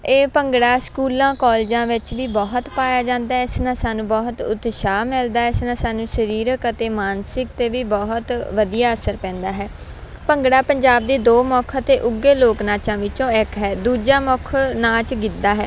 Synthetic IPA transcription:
eːpəŋɡɽaːskuːlãːkɔːld͡ʒãːʋɪt͡ʃʋiːbɔːɦt̪paːjaːd͡ʒãːnd̪aːɦɛɪsnãːsaːnũːbɔːɦt̪ʊ̰t̪ʃaːmɪld̪aːɛɪsnãːsaːnũːsəɾiːɾəkət̪eːmaːnsɪk̚t̪eːʋiːbɔːɦt̪ʋəd̪ijaːəsəɾpɛ̃ːnd̪aːɦɛː | pəŋɡɽaːpəɲd͡ʒaːb̚d̪eːd̪oːmɔːkʰt̪eːʔʊɡeːloːknaːt͡ʃãːʋɪt͡ʃõːɪkɦɛːd̪uːd͡ʒaːmɔːkʰnaːt͡ʃɡɪt̪ːaːɦɛː

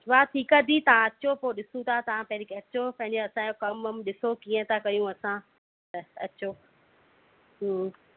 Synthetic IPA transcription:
ʋat̪ʰiːkad̪ʱit̪ɐʋ̤ãɐt͡ɕopoːɗɪsũt̪ʰat̪ɐʋãpɐ̃ɦɾekʰeɐt͡ɕopɐ̃ɦɪ̃ɲd͡ʑoɐsãokɐməmɗɪsokiːə̃t̪ʰakɐjũɐsã | t̪ɐɐt͡ɕoː | ɦ

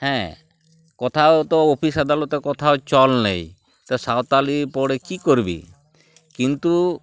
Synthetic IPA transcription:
hɛ̃ | kɔt̪ʰat̪ɔopʰisad̪alɔt̪ɔkɔt̪ʰawt͡ʃɔlnḛj | t̪ɔsawt̪alipɔɽekikɔɾbḭ | kint̪u

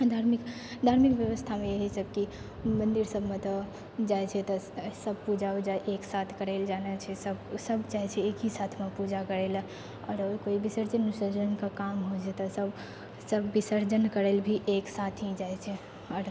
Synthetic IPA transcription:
d̪ʱaɾmikd̪ʱaːɾmikʋjəʋəst̪ʰamẽjeɦisəb̚ki | mə̃nd̪iɾsəbʱmẽt̪ɔ | d͡ʒajt͡ʃʰɛt̪ɔsəb̚pud͡ʒaod͡ʒaeʔeːksat̪ʰkəɾeld͡ʒaːnet͡ʃʰɛsəbsəbt͡ʃaːɦɛt͡ʃʰɛekɦisat̪ʰmẽpud͡ʒakəɾel | ɔ̰ːɾkoibisəɾd͡ʒənːisəɾd͡ʒənkakamɦod͡ʒʰɛt̪ɔsəb | səbːisəɾd͡ʒənkəɾelbʱiʔeksaːt̪ʰĩd͡ʒaːet͡ʃʰɛ | ɔːɾ

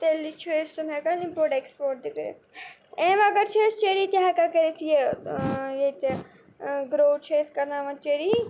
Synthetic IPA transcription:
t̪elːit͡ʃʰest̪umɛkalimpoːɾʈekspoːɾʈ̚d̪ikɾḛ | ɛ̃ːʋaɡɐɾt͡ʃʰest͡ʃeɾit̪iɦakakeɾet̪ʰije | jet̪e | ɡɾowt͡ʃʰeskɐɾnaʋɐ̃t͡ʃeɾi

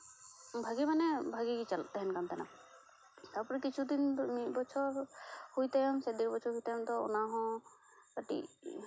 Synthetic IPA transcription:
bʱaɡimanɛbʱaɡiɡit͡ʃalt̪ɛɦɛnkant̪ana̰ | t̪aɾpɔɾɛkit͡ʃʰud̪inmibɔt͡ʃʰɔɾhujt̪ajɔmsɛd̪ikbɔt͡ʃʰɔɾɦujt̪ajɔmt̪ɔɔ̰naɦɔ̃ | kaʈḭ

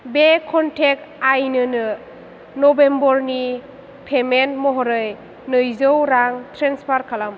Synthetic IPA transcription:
bekʰɔntʰek̚ | ajnɯnɯ | nɔbembɔɾni | pʰemenmɔɦɔɾɯj | nɯjzɯwɾaŋtʰɾenspʰaɾkʰalam

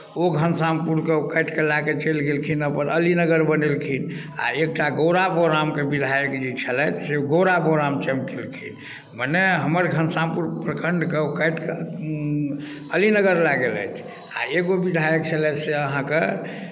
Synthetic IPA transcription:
oɡʱənsampuɾkeokəjʈkelaket͡ʃelɡelkʰinəpəɾəlinəɡəɾbənelkʰin | a̰ek̚ʈaɡoɾaboɾamkebid̪ʱajəkd͡ʒit͡ʃʰəlɛt͡ʃʰseuɡəwɾaboɾamt͡ʃəmkʰelkʰin | məneɦəməɾɡʱənsampuɾpɾəkʰəɳɖʱkeokəjʈke | əlinəɡəɾlaɡelɛ̰t͡ʃʰ | a̰eɡobid̪ʱajək̚t͡ʃʰəlɛt͡ʃseəɦãke

